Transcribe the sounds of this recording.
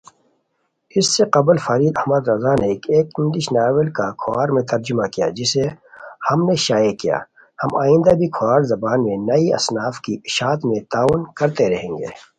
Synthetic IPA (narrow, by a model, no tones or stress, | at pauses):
ɪsːeqɐbəlfaːɾiːd̪ɐhmɐd̪ɾɐzaːnekeːkɪ̃nd̪ɪʃnaːwəlkakʰʊaːɾmẽt̪ɐɾd͡ʒʊmakija̰d͡ʒɪsehɐmneʃaːjekija̰ː | hɐma̰ːɪ̃nd̪abʱikʰʊaːɾzɐbaːnmẽnɐiɐ̰snaːfkiʃaːt̪mẽt̪aːunkɐɾt̪eɾɐɦẽːŋɡḛː